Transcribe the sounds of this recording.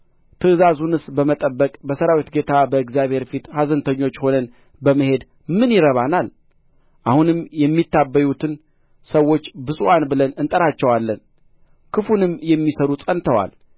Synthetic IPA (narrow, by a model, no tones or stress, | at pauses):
t̪ʰɨʔɨzazunɨsbəmət̪ʼəbːəkʼbəsəɾawit̪ɡe̞t̪ʰabəɨɡzijaβhe̞ɾfit̪hazənt̪ʰəɲːo̞t͡ʃːho̞nən | bəməhe̞d̪ | mɨnjɪɾəβanal | ʔahunɨmjɛmːit̪ːabːəjut̪ʰɨn | səwːo̞t͡ʃːbɨsʼwanbɨlənɨnt̪ʼəɾat͡ʃːɛwalːən | kʰɨfunɨmjɛmːisəɾusʼənt̪ʰəwa̰l